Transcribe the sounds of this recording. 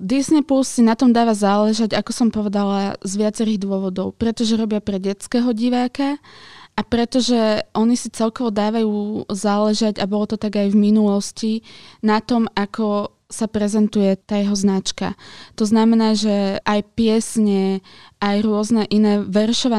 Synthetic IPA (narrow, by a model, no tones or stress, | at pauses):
d̪isnɛpulssinat̪ɔmd̪aːʋazaːlɛʒaɟakɔsɔmpɔʋɛd̪alazʋɪat͡sɛɾiɣd̪ʊɔʋɔd̪ɔʊpɾɛt̪ɔʒɛɾɔbɪapɾɛɟɛt͡skɛɦɔɟiʋaːkaʔapɾɛt̪ɔʒɛʔɔɲisit͡sɛlkɔʋɔd̪aːʋajuːzaːlɛʒaɟabɔlɔt̪ɔt̪aɡajvminulɔscinat̪ɔmakɔ | sapɾɛzɛnt̪ujɛt̪aːjɛɦɔznat͡ʃka̰t̪ɔznamɛnaːʒɛajpɪɛsɲɛʔajɾʊɔznɛʔinɛːʋɛɾʃɔʋa